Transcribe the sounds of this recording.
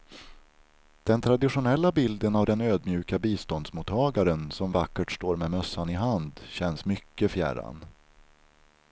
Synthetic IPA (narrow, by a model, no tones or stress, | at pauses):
d̪̥ɛnt̪ʰɾad̪ɪɧʊnɛlːabɪld̪ənavd̪ɛnøːd̪mjʉ̟ːkabiːst̪ɔnd̪smut̪ʰːɑːɡaɾənsɔmvakːəʈʂt̪oːɾmɛmœsːanɪɦand̪ɕɛnsmʏkːəfjæ̰ɾa̰n